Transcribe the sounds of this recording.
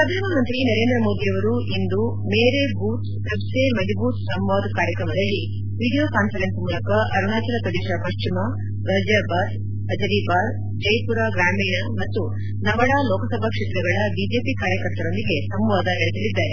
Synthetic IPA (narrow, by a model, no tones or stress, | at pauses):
pɾɐd̪ʱaːnɐmɐnt̪ɾinɐɾe̞ːnd̪ɾɐmo̞ːd̪ijɐʋɐɾuʔind̪u | meːɾebuːt̪ | ɐbsemɐd̪ibuːt̪sɐmʋaːd̪kaːɾjɐkɾɐmɐd̪ɐlːi | ʋiɽijoːkaːnfɐlensmuːlɐkɐʔɐɾuɳaːt͡ʃɐlɐpɾɐd̪eːʂapɐʃt͡ʃimɐ | d̪ɐːd͡ʒjaːbaːd̪ | ɐd͡ʒɐɾiːbaːd̪ | d͡ʒɐjpuɾaːɡɾaːmiːɳɐmɐt̪ːu | nɐʋɐɽaːlɔːkɐsɐbʱɐkʂeːt̪ɾɐɡɐɭɐbid͡ʒe̞ːpikaːɾjɐkɐɾt̪ɐɾond̪iɡe̞sɐmʋaːd̪ɐɦeɭisɐlid̪ːɐɾe